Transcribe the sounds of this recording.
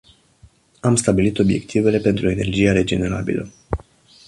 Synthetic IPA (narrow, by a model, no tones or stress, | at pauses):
amst̪abilit̪o̞bje̞̰kt̪ʰive̞le̞pe̞nt̪ɾue̞ne̞rd͡ʒijaɾe̞d͡ʒe̞ne̞ɾa̰bḭlə̰